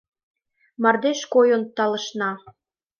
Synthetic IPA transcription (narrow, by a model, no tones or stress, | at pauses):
mɑrd̪eʃkojont̪ɑlɤ̆ʃnɑ